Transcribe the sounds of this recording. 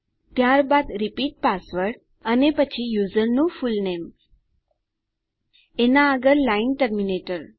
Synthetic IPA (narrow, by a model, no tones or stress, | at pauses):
t̪jaɾbad̪ɾipiʈ̚pasʋəɾɽ | ənepət͡ɕʰijuzəɾnufulnem | enaːɡəɾlainʈəɾmineʈəɾ